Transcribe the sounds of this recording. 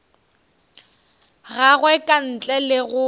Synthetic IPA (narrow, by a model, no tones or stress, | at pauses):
ɣaɣwɛkʼan̩t͡ɬʼɛlɪɣʊ